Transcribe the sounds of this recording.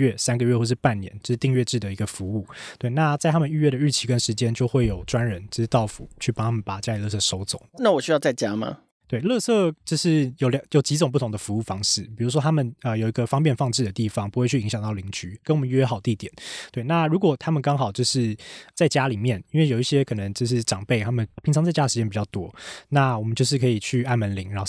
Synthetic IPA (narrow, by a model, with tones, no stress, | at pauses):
ɥɛ˥˩sa˥nɡə˨ɥɛ˥˧xwʂɻ̩˥˩pa˥˩nnjɛ̰˧˦nt͡ɕjo˥˧ʊʂ̩˥t̪i˥˧ŋɥɛ˥˧ʈ͡ʂɻ̩˥˩d̪ə˩i˧˥ɡə˧fu˧˦u˥˩t̪we˥˩ɪna˥˧t͡sa˥˩ɪa˥mə˨ny˥˧ɥɛ˥˩ɾə˩ɻ̩˥˩t͡ɕʰi˧˥kə˦˥nʂɻ̩˧˥t͡ɕjɛ˥nt͡ɕjo˥˧ʊxwe˥˩ɪjo˨˩ʊʈ͡ʂwa˦nɻə˧˦nt͡ɕo˥˧˥ʂ̩˥˧t̪ɑ˥˩ʊfṵ˨˦t͡ɕʰy˥˩ɑ˥ŋt̪ʰa˥mə˨˩pa˨˩t͡ɕja˥li˨˩lɤ˥˧sɤ˥˩ʂo˧˥ʊt͡so̰˨˩˦ŋna˥˩wɔ˨˩ɕy˥jɑ˥˧ʊt͡sa˥˧ɪt͡ɕja˥ma̰˧ | t̪we˥˩ɪlɤ˥˧sɤ˥˩t͡ɕjo˥˧ʊʂɻ̩˥˩jo˨˥ʊljɑ˨˩jo˨˩ʊt͡ɕi˧˥t͡sŋp̬u˥˩ʊ˧˦ŋd̪ə˧fu˧˦u˥˩fɑ˥ŋʂɻ̩˥˩pi˨˩ɻu˧˥ʂ̬ɔ˥t̪ʰa˥mə˨nə˧jo˨ʊi˧˥ɡə˧fɑ˥ŋpjnfɑ˥˧ŋʈ͡ʂɻ̩˥˩d̪ə˩t̪i˥˩fɑ˥ŋpu˧˥xwe˧ɪt͡ɕʰy˥˩i˧˥ŋɕɑ˨˩ŋt̪ɑ˥˩ʊli˧˥ŋt͡ɕy˧˥kə˥nwɔ˨mə˦ɥɛ˥xɑ˨˩ʊt̪i˥˩t̪jɛ˨˩˦nt̪we˥˩ɪna˥˩ɻu˧˥k̬wɔ˨˩t̪ʰa˥mə˨nkɑ˥ŋxɑ˨˩ʊt͡ɕjo˥˧ʊʂɻ̩˥˩t͡sa˥˩ɪt͡ɕja˥li˨˩mjɛ˥˩ni˥nwe˥˩jo˨˩ʊi˥˩ɕjɛ˥kʰɤ˨˩nə˧˦ŋt͡ɕjo˥˧ʊʂ̬ɻ̩˥˩ʈ͡ʂɑ˨˩ŋpe˥˩ɪt̪ʰa˥mə˨npʰi˧˥ŋt͡sʰɑ˧ŋt͡sa˥˩ɪt͡ɕa˥ə˩ʂɻ̩˧t͡ɕɛ˥npi˨˩t͡ɕjɑ˥˩ʊt̪wɔ˦˥na˥˩wɔ˨˩mə˦t͡ɕjo˥˧ʊʂ̬ɻ̩˥˩kʰɤ˧˥i˨˩t͡ɕʰy˥˧a˥˩nmə˧˦nli˧˥ŋɻa˧˥nxo˥˩